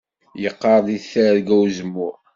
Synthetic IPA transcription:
jəqːɑɾˤd̪iθæɾɡæwzəmːʊɾ

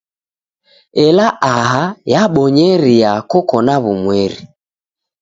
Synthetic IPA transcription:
ɛlaʔaɦajaɓɔɲɛɾiakɔkɔnaβumwɛɾḭ

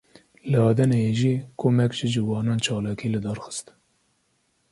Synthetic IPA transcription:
lɨɑːd̪ɛnejeʒiːkʰoːmɛkʒɪd͡ʒɨwɑːnɑːnt͡ʃʰɑːlɑːkʰiːlɨd̪ɑːɾxɨ̥st̪

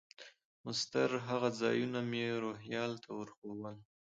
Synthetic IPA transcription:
mʊst̪əɾɦaɣazɑ̰junamjeɾoɦjɑlt̪ʰawəɾxowəl

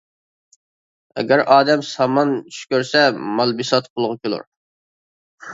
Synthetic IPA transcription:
ɛ̰ɡʲæɾɑːd̪ɛmsɑmɑnʃkʲøɾsɛmɑlˠbisɑt̪qʰolˠʁʊkʲʰølˠṵɾ

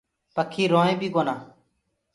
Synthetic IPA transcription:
pəkʰːiːɾoːẽːbiːɡoːnaː

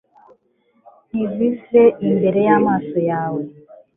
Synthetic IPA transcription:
nivisɛʔimbeɾɛjamasɔjawɛ

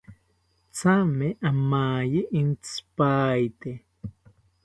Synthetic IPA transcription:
t͡sameʔamaːjiʔint͡spaːjt̪e

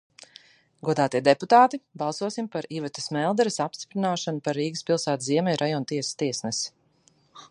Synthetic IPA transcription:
ɡuɔd̪aːt̪iɛd̪ɛput̪aːt̪ibaɑlˠsuɔsimpaɾiːvat̪ɐ̥smɛlˠd̪ɛɾisapst̪i̥pɾinaːʃanupaɾːiːɡəspilˠsaːt̪ziɛmɛjɾʔajɔnt̪iɛsst̪iɛsnɛs

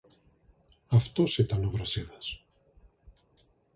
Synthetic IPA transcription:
ɐft̪osit̪ɐnovɾɐsiðɐs

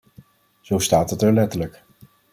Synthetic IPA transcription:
z̥owstaːtɦətəɹlɛtələk

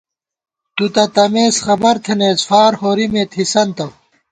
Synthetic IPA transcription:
t̪ut̪ɐt̪ɐmeːsxɐbɐɾt̪ʰenesfaːɾhoːɾimeːt̪ʰisɐnt̪ɐw

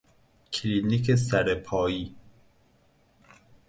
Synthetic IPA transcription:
kʰliːnikʰes̬æɾepʰɒːjiː

